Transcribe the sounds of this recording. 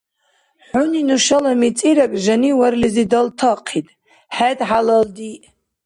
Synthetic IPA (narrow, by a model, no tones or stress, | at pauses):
ħʊninuʃalamit͡sʼiɾakʼʒaniwarlizidaltʰaqʰitʼ | ħadħalaldi